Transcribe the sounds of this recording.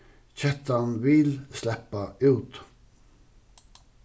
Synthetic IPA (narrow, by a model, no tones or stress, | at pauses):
c͡çɛt̪anʋɪlslɛpːaʉːt̪